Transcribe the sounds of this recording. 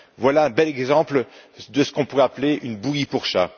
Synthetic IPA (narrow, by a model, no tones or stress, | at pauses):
vwalaɛ̃bɛlɛɡzɑ̃plə | d̪əsə̥kɔ̃puʁɛapleʔynbuipuʁʃa